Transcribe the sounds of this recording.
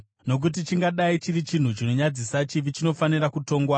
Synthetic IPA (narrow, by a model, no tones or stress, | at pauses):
no̞k̬ut̬it͡ʃiŋɡaɗait͡ʃiɾit͡ʃin̤ut͡ʃino̞ɲad͡zisat͡ʃiʋit͡ʃino̞faniɾakuto̞ːŋɡwa